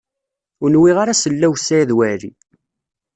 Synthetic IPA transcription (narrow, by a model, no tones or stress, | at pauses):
ʊnwiʁaɾasəlːæwsæjðwæɾḭ